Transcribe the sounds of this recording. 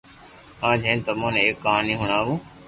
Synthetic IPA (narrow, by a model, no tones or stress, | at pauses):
ãːd͡ʒʱẽːnt̪əmõːneeːkːəɦãːniːɦʊɳaːʋũː